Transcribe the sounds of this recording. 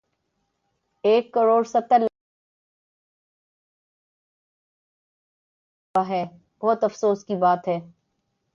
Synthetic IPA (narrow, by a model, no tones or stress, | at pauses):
eːkːɐɾoːɽsɐt̪ːəl | aɦɛː | bɔɦt̪ɐfsoːskibaːt̪ɦɛː